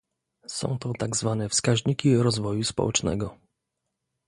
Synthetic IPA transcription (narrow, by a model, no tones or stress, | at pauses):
sɔ̰̃w̃t̪ɔt̪aɡzvanɛfskaʑɲikʲiɾɔzvɔjuspɔ̰wʔɛt͡ʂnɛ̰ɡɔ